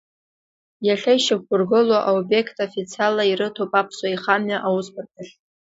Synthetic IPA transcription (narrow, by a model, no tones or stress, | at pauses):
jaɬajʃak̚ʷɡʊrɡɨlwaʔaobe̞kʰtʰʼofit͡sʰialːaiɾɨtʰowpʼapʰsaiχamɥaʔawuspʰartʰʼaɬʲ